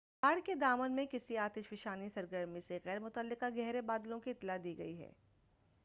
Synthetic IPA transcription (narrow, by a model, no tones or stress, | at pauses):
baːɽked̪aːmənmẽkɪsiaːt̪ɪʃfɪʃaːnisɐɾɡəɾmiseɣɛːɾmʊt̪əlːɪqaɡɛɦɾebaːd̪lõkiɪt̪ːlad̪iːɡɐ̰iɦɛ̰ː